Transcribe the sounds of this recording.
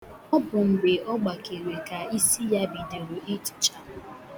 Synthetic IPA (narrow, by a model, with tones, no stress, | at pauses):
ɔ˦bʊ˨ŋ͡m̩˨ɡ͡be˨ɔ˦ɡ͡ba˨ke˨ɾe˨ka˨i˦si˦ja˦bi˨de˨ɾʊ˨e˦t͡ʃi̥˨t͡ʃa˨